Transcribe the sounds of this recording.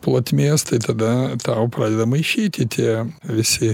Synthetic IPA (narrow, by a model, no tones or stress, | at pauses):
plˠoːt̪ʲmʲeɛːst̪ɐɪt̪ɐd̪ɐt̪ɑʊpɾɑːdʲɛd̪ɐmɐɪʃʲɛɪt̪ʲɪt̪ʲʰiɛʋʲɪsʲɪ